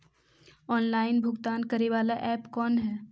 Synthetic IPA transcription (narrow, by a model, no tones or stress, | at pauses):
ɔːnlaːɪnbʱʊɡt̪aːnkɐɾeʋaːlaʔɛːpkɔːnɦɛː